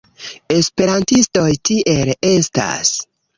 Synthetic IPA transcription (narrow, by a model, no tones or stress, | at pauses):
e̞spe̞ɾantisto̞jtiʔe̞le̞sta̰s